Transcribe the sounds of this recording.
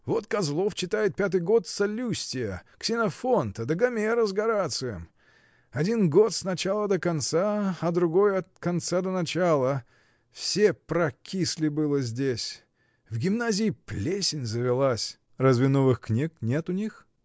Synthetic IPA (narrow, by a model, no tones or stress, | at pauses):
vo̞t̪kɐzlˠo̞ft͡ɕɪt̪ajɪt̪̚pʲat̪̬ɨjɡo̞t̪sɐlʲusʲtʲɪjəksʲɪnɐfo̞nt̪əd̪əɡɐmʲeɾəzɡɐɾat̪sɨjə̰m | ɐdʲinɡo̞t̪snɐt͡ɕalˠəd̪əkɐnt̪saɐd̪ɾʊɡo̞jɐt̪̚kɐnt̪sad̪ənɐt͡ɕalˠə | fsʲepɾɐkʲisʲlʲɪbɨlˠəzʲdʲesʲ | vɡʲɪmnazʲɪːplʲesʲɪnʲzəvʲɪlˠasʲ | razvʲɪnovɨxknʲeknʲet̪ʊnʲix